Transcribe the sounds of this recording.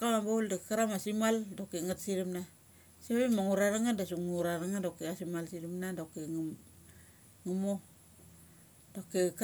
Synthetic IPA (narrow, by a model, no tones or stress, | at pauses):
kaŋaboldakaɾamasimaldokiŋatsiɾimna | siɾimaŋuɾaɾaŋadasuŋŋuɾaɾaŋadokːeasimalsiɾimnadokeŋ | ŋumo | d̥okːek